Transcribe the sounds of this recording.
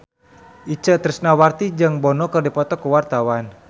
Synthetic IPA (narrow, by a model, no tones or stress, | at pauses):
ʔit͡ʃəʔt̪əɾəsnawart̪id͡ʒəŋbɔnɔkərdipɔt̪ɔkəwart̪awan